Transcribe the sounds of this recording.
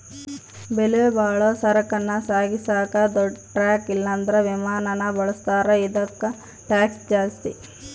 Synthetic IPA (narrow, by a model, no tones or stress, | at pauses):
beleːbaːɭosɐɾɐkɐnːɐsaːɡisaːkɐd̪ɔɖʈɾaːkilːɐːnd̪ɐɾeʋimaːnɐnɐbɐɭɐst̪aːɾeid̪ɐkːɐ | ʈaːksd͡ʒaːst̪ḭ